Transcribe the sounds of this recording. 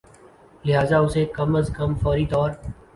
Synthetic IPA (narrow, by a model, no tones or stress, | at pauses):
lɪɦaːzaʊseːkəməzkəmfɔːɾit̪ɔːɾ